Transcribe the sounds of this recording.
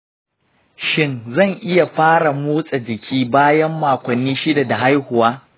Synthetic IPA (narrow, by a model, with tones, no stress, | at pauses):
ʃɪ˦nzɐ˦˨ŋʔɪ˦ja˨ɸaː˦ɽa˨muː˦sʼa˨d͡ʒɪ˨kʲʰiː˦baː˦jɐ˦mːaː˨kʷɐ˨nːiː˦ʃɪ˦da˨da˨ɦa˦jhʊ˨waː˦